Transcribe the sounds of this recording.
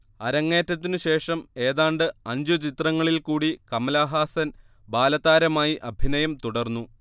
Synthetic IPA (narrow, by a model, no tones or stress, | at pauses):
ɐɾɐŋːe̞ːtːɐt̪̬ːinɨɕe̞ːʂɐme̞ːðaːɳɖɨɐɲd͡ʑut͡ɕit̪rɐŋːɐɭilkuːɽikɐmɐlaːɦaːsɐn | baːlɐðaːɾɐmaːjiʔɐbʱinɐjɐmt̪uɽɐrnːu